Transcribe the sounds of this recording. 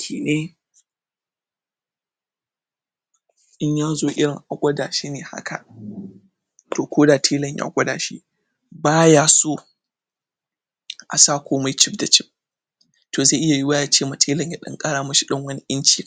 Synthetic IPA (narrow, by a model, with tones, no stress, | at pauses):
kʲʰiː˨neː˦ | ʔɪ˦ɲjaː˦zoː˦ʔɪ˦ɽɪ˨ŋʔa˨ɡʷʼɐ˦daː˨ʃi˦neː˨ha̰˦kʰa̰˨ʔ | toː˨kʷʰoː˦daː˨tʰeː˦lɐ˨ɲja̰ː˦ɡʷʼɐ˦daː˨ʃḭ˦ | baː˦jaː˦soː˦ | ʔa̰˨saː˦˨kʷoː˦ma˦jt͡ʃɪ˦pda˨t͡ʃɪ˦p̚ | toː˨za˦˨ʔɪ˦ja˨ji˦waː˦jaː˨t͡ʃeː˦ma˨tʰeː˦lɐ˨ɲja˦ɗɐ̰˦ŋkʼaː˦ɽaː˨mʊ˦ʃi˦ɗɔ˦ŋwɐ˦ni˦ʔɪ˦nt͡ʃi˦˨